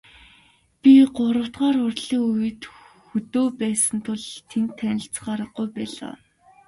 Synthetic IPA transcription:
pʲiɢʊɾə̆w̥t̪ɢaːɾʊrɮiːŋujɘ̆t̪xɵt̪oːpæːsə̆nt̪ʰʊɮt̪ʰent̪ʰːænʲɪ̆ɬt͡s̆χaːɾə̆ɢujpæːɮa̰ː

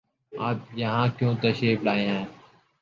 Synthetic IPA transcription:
aːpjəɦãːkjõːt̪əʃiːflaːẽːɦɛ̃ː

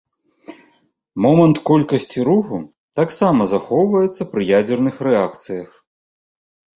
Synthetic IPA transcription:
mɔmɐnt̪kɔlʲkɐsʲt͡sʲiɾuxu | t̪aksamɐzaxɔwvɐjɛt̪sːɐpɾɨjad͡zʲɛrnɨxrɛakt̪sɨjɐx

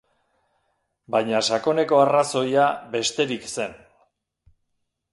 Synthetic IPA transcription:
bajɲasako̞ne̞ko̞araso̞jabe̞st̪e̞ɾikse̞n

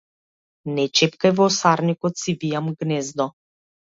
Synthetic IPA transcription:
nɛt͡ʃɛpkajvɔsaɾnikɔt̪sivijamɡnɛzd̪ɔ

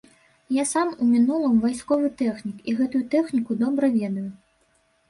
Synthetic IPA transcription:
jasamumʲinulˠɐmvajskɔvɨt̪ɛxnʲikiɣɛt̪ujut̪ɛxnʲikud̪ɔbɾɐvʲɛd̪ɐju

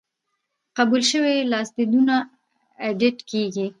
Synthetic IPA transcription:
qabulʃəwelɑsd̪id̪una | eɖɪʈkeɡi

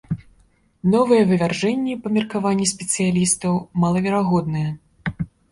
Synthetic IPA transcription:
nɔvɨjɛvɨvʲarʐɛnʲːɛpɐmʲirkavanʲːɛsʲpʲɛt̪sɨjalʲist̪ɐwmalˠɐvʲɛɾaɣɔd̪̚nɨjɛ

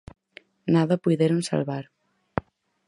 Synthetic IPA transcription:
naðɐpujðeɾonsa̰lβaɾ

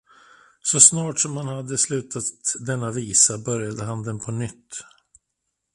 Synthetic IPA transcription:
sɔsnɑːʈsɔmhanhad̪ːəslʉ̟ːt̪ʰat̪d̪ɛnːaviːsabœɾjad̪əɦand̪ɛnpʰɔnʏt̪ː

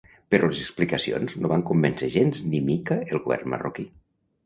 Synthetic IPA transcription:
peɾlezeksplikəsio̰nznoβaŋkumbenseʒenznimikəelˠɣuβɛ̰rnmə̰roki

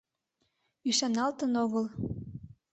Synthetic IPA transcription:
yʃɑnɑlt̪ənoɣəl

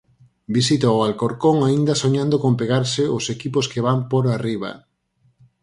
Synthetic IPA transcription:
bisit̪aʊalkoɾkoŋaind̪ɐsoɲãnd̪okompeɣaɾseosekiposkeβampoɾariβɐ̰

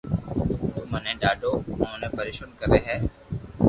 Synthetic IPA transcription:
d͡ʒ̪oːmənẽːɗaːɖõːnẽːpʰəɾɪːʃʊnkəɾeːɦɛː

